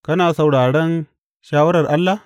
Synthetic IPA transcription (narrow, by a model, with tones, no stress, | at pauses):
kɐ˦naː˨sa˨wɽaː˨ɽɛ˦n | ʃaː˦wɐ˦ɾɐ˨rʔa˦lːa˨